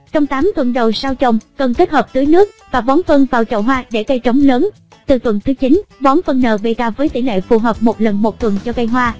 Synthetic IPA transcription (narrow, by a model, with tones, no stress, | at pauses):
t͡ɕɔ˧wŋ͡mt̪aː˨˦mt̪wə˨˩nɗə˨˩wsaː˧wt͡ɕə˨˩wŋ͡mkə˨˩nke˦˥t̚həː˨˩p̚t̪ɨː˨˦jnɨ˦˥ək̚vaː˨˩ɓɔ˨˦nfə˧nvaː˨˩wt͡ɕə̰˧˨wɦwaː˧ɗe˧˩kə˧jt͡ɕə˨˦wŋ͡mləː˨˦n | t̪ɨ˨˩t̪wə˨˩nt̪ʰɨ˨˦t͡ɕi˨˦nvɔ˨˦nfə˧nːəː˨˩ɓe˧˩kaː˧vəː˨˦jt̪ḭ˧˩lḛ˧˨fu˨˩ɦəː˨˩p̚mo˨˩t̚lə˨˩nmo˨˩t̚t̪wə˨˩nt͡ɕɔ˧kə˧jɦwaː˧